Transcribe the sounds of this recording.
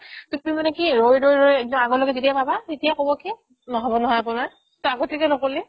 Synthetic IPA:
tumimanɛkiɹojɹojɹojɛk̚dɔmaɡɔlɔɡɛzitijapabatetijakobɔki | nɔɦɔbɔnɔɦɔjapʊnaɹ | taɡotʰikɛnɔkoli

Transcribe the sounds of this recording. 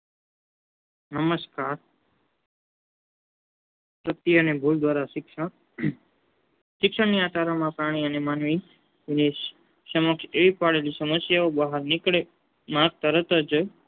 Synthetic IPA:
nəməskaɾ | t̪ət̪ːiənebʱuld̪ʱʋaɾak | ʃɪkʃəɳniat̪aɾamãpɾaɽ̃iənemanʋi | ne | ʃəməkʃeʋipaɭelisəməsjaobəɦəɾnikɭe | mãɡ̚t̪əɾət̪əd͡ʒə

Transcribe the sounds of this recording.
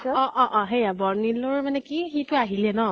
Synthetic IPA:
ɔʔɔʔɔ̃ɦejabɔɹniloɹmanɛkixitʊaɦilɛnɔ

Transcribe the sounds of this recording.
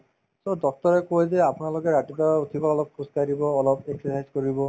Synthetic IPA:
sodɔk̚tɔɹɛkojzɛapunalokɛɹaʈitaut̪ʰibaɔlɔp̚kuskaɾibɔːlɔbeksɔsajzkoɹibɔ

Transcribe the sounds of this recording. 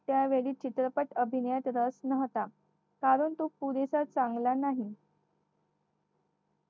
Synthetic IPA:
t̪jaʋeɭiːt͡ɕit̪ɾəpəʈəbʱinəjat̪ɾəsnəɦt̪a | kaɾuːnt̪uːk̚puɾesat͡saŋɡlanaɦi

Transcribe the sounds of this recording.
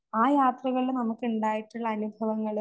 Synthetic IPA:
aːjaːt̪rɐɣɐɭilnɐmukːuɳɖaːjiʈːuɭːɐːnubʱɐʋɐŋːɐɭ

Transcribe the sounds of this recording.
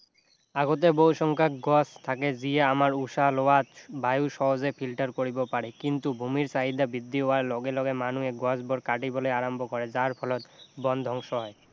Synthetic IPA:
aɡot̪ebowʃɔŋkʰaɡɔst̪ʰaked͡ʑieamaɾuʃaloat̪bajuʃɔɦozepʰilʈaɾkoɾibopaɾekint̪ubʱumiɾsaɦid̪abid̪ːioalɔɡelɔɡemanueɡɔsbɔɾkaʈibolejaɾambʱokɔɾed͡ʑaɾpʰɔlɔt̪bɔnd̪ʱɔŋʃɔɦɔe

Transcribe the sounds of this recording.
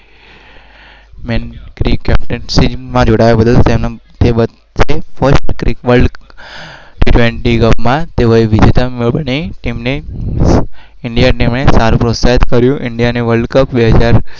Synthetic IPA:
menkɾikɛp̚ʈənsid͡ʒmãd͡ʒoɽajabəd̪əlt̪emnt̪ebə | t͡ʃʰefəsʈkɾikʋəlɖ | ʈiʈʋeɳʈikəpmãt̪eʋoiʋid͡ʒet̪əmibəniʈimne | ɪɳɖijaʈimnesaɾũpɾosait̪kəɾjũʔɪɳɖijaneʋəlɖkəpbeɦəd͡ʒaɾ

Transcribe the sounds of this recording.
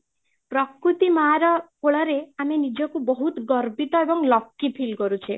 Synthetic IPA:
pɾɔkɾut̪imaɾɔkoɭɔɾeamenid͡ʒɔkubɔɦut̪ɡɔɾbit̪ɔebɔŋlɔkːipʰilkɔɾut͡ʃʰi

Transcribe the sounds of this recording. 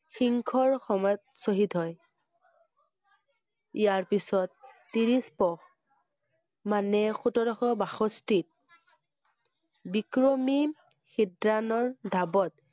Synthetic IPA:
xiŋkʰɔɹxɔmɔjɔt̚soɦitɦɔj | ijaɹpisɔtː | iɹispɔx | manɛxutɔdɔxɔbaxɔstit̚ | bikɹɔmi | xidɹanɔɹdʱabɔt

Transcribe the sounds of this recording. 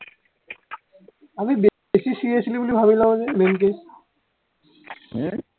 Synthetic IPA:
amibe | sisiesʰilibolibʱabilabozebenk̬e

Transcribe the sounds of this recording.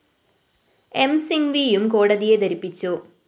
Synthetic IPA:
emsiŋʋijumkoːɽɐðijed̪ɐɾipːit͡ɕːu

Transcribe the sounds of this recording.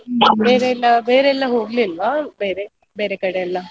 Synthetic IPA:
beːɾeːlːabeːɾeɛlːaɦoːɡlilʋabeːɾe | beːɾekɐɽeːlːa

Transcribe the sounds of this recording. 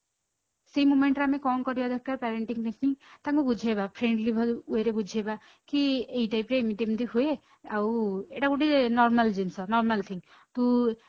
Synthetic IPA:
seimumeɳʈɾamekɔmkɔɾibad̪ʱɔkʰkːaɾpɛɾeɳʈiŋnekʰnit̪aŋkubud͡ʒʱebapʰɾeɳɖlibʱɔeɾebud͡ʒʱeba | kieɦiʈajpɾeːmit̪emd̪iɦue | aweʈakuʈinɔɾmald͡ʒinsɔnɔɾmalt̪ʰiŋ | t̪u

